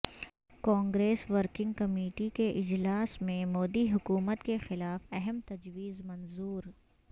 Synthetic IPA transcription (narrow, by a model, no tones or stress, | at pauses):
kãːŋɡɾeːsʋəɾkɪ̃ŋɡ̚kɐmeːʈikeʔɪd͡ʒlaːsmẽmoːd̪iɦʊkuːmət̪kexɪlaːfɐɦɛmt̪ɐd͡ʒʋiːzmɐnzuːɾ